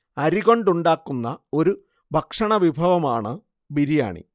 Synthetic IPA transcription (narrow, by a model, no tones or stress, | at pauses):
ɐɾiɣo̞ɳɖuɳɖaːkːunːɐo̞ɾu | bʱɐkʂɐɳɐʋibʱɐʋɐmaːɳɨ | biɾija̰ːɳḭ